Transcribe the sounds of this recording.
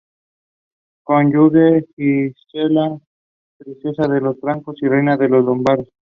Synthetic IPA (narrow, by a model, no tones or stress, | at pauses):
konʎuβeistela | pɾisjosaðelo̞sbɾaŋko̞sirejnaðe̞lo̞zlombaɾes